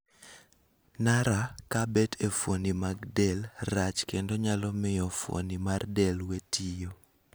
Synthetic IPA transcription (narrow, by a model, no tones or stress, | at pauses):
naɾakabɛtʰefonimaɡdɛlrat͡ʃkendoɲalɔmɪjɔfo̰nimardɛlwetʰijo